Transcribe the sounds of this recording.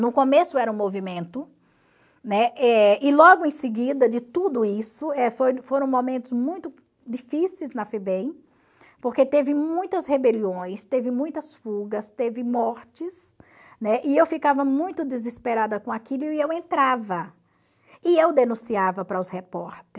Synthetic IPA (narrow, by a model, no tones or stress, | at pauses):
nʊkõmesʊɛɾɐũmovimẽnt̪ʊ | nɛɛɪlɔɡʊẽj̃sɪɡid̪ɐd͡ʒɪt̪ud̪ʊisʊɛfojfoɾɐ̃w̃mõmẽnt̪ʊzmũj̃t̪ʊ | d͡ʒifisejznɐfebẽj̃ | poɾket̪evɪmũj̃t̪ɐshebeliõj̃st̪evɪmũj̃t̪ɐsfuɡɐst̪evɪmɔɾt͡ʃɪs | nɛʔɪewfikavɐmũj̃t̪ʊd̪ɪzispeɾad̪ɐkõakilʊiewẽnt̪ɾavɐ | ɪewd̪enũsiavɐpɾɐʊshepɔɾt̪ɾ